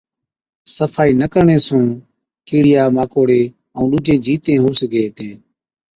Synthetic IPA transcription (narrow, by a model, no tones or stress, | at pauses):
səfʰaːiːnəkəɾɳẽːsũː | kiːɽɪjaːmaːkoːɽeː | əũːɗuːd͡ʒẽːd͡ʒiːt̪ẽːɦuːsəɡeːt̪ẽː